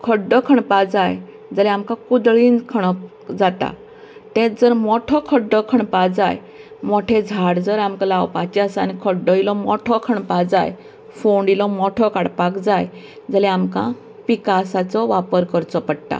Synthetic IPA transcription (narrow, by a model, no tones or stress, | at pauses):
kʰəɖɔkʰəɳpad͡zaj | d͡zəlɛ̃amkãkud̪ɭinkʰəɳ̃ | d͡zat̪a̰ | t̪ɛ̃d͡zəɾmɔʈʰɔkʰəɖɔkʰəɳpad͡zaj | mɔʈʰed͡zʱaɽd͡zəɾamkalawpat͡ɕiasanikʰəɖɔilɔmɔʈʰɔkʰəɳpad͡zaj | foɳɖilɔmɔʈʰɔkaɽpakd͡zaj | d͡zəlɛ̃amkã̰ | pikasat͡sɔʋapəɾkəɾt͡sɔpəɽt̪a̰